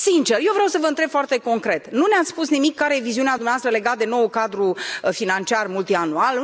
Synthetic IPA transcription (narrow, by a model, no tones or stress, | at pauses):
sint͡ʃe̞rjewvɾeawsəvəɨnt̪ɾebfoart̪e̞ko̞ŋkɾe̞t̪nuneat̪sspusnimikːaɾejeviziunead̪umneaast̪ɾəle̞ɡat̪̚d̪e̞no̞wukad̪ɾufinant͡ʃiarmult̪ianual